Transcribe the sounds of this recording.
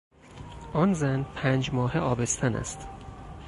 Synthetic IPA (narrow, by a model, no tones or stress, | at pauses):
ʔɒnzænpʰæːnd͡ʒmɒːheɒːbest̪ʰænæ̰st̪